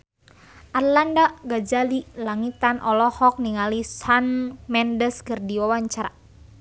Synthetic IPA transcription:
ʔarlandaɡad͡ʒalilaŋit̪anʔɔlɔhɔk̚niŋalisanmɛndəskɨrdiwawaɲt͡ʃaɾa

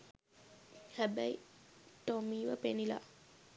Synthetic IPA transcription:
hæbæitomiːʋəpenila̰

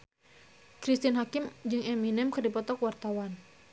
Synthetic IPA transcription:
kɾist̪inɦakimd͡ʒɨŋɛminɛmkɨrdipɔt̪ɔkwart̪awan

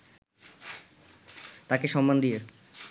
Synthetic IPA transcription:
t̪akeʃɔmːand̪ije

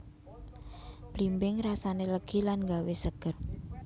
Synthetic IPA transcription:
b̥limbɪŋrasaneləɡ̥ilanŋɡawesəɡ̥ər

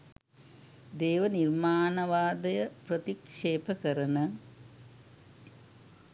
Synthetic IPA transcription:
d̪eːʋɐniɾmaːnɐʋaːd̪ɐjɐpɾɐt̪ikʂeːpʰɐkɐɾɐnɐ

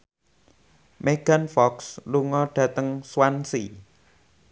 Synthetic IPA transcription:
meɡ̥a̤nfɔksluŋɔɖ̥ä̤t̪əŋswansi

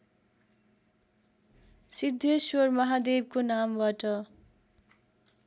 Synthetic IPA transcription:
sid̪ʱjʌswormʌɦad̪eb̚konambaʈʌ

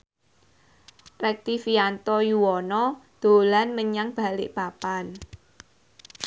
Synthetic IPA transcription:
rɛk̚t̪ifiant̪ɔjuwɔnɔd̪̥o̤lanməɲaŋb̥a̤lɪ̰ʔb̥apan

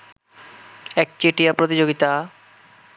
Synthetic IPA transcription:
ɛk̚t͡ɕeʈiapɾot̪id͡ʑoɡit̪a

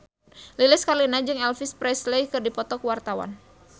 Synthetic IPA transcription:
lilɪskarlinad͡ʒɨŋɛlfɪspɾɛslejkɨrdipɔt̪ɔkwart̪awa̰n

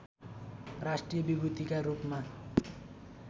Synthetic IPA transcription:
rasʈrijʌbibut̪ikarupma

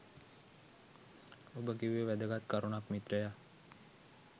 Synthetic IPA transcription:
obəkiʋeʋæd̪əɡat̪kaɾunakmit̪ɾəja

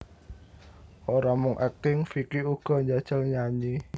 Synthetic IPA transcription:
ʔoɾamʊŋʔɛk̚t̪ɪŋfikiuɡ̥ɔ̤ɲd͡ʒad̥ʒ̥əlɲaɲi

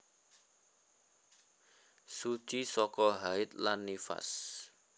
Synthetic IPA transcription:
su̥t͡ʃisɔkɔɦaɪt̪̚lanːifa̰s

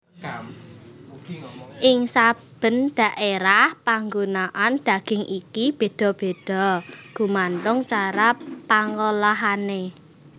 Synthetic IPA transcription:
ʔɪŋsab̥ə̤nd̪̥ä̤ʔeɾahpaŋɡunaʔand̪̥a̤ɡ̥ɪ̤ŋʔikib̥e̤d̪̥ɔ̤b̥e̤d̪̥ɔ̤ɡ̥ṳmant̪ʊŋt͡ʃaɾapaŋolaɦane

